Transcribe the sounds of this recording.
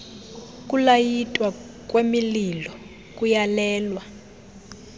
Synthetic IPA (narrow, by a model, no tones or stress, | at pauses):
k̬ʼulajitʼwa | k̬ʼwemililɔ | kʼujalɛːlwa